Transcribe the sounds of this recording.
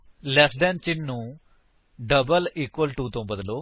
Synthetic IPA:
lɛːsɖɛ̃ːnt͡ʃɪnːũː | ɖəbəliːkwəlʈuːt̪õːbəd̪loː

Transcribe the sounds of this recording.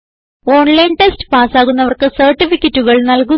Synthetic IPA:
o̞ːɳlɐjnʈestɨ̥paːsaːɣunːɐʋɐrkɨsɐrʈːifikʲːɐtːuɣɐɭnɐlku

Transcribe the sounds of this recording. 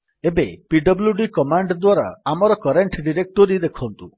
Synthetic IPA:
ebepiɖɔbljuɖikɔmaɳɖd̪waɾa̰amɔɾɔkɔɾeɳʈʰɖiɾek̚ʈoɾid̪ekʰɔnt̪u

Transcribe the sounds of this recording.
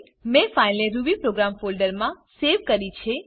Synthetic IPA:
mẽfainleɾubipɾoɡɾamfolɖəɾmã | seʋkəɾit͡ʃʰe

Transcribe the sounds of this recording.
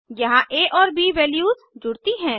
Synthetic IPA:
jɐɦãʔeːʔɔːɾbiʋɛːljuːz | d͡ʒʊɽt̪iɦɛ̃ː

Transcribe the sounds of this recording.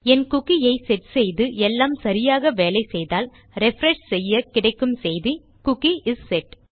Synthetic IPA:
ɛnkʊkːijɐɪsɛʈsɛjðɯʔɛlːaːmsɐɾɪjaːɣɐʋeːlɐɪsɛjðaːl | ɾɛfɾɛʂsɛjːɐkɪɽɐɪkːɯmsɛjði | kʊkːiʔɪsːɛʈ

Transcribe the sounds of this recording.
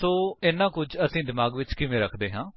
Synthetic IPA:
soːɪnːãːkʊd͡ʒəsĩːd̪ɪmaːɡʋɪt͡ʃkɪʋẽːɾəkʰd̪eːɦãː

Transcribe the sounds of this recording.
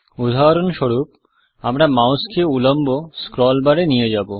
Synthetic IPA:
ud̪ʱaɾonʃoɾup | amɾamawskeulomboskɾɔlbaɽenijed͡ʑabo

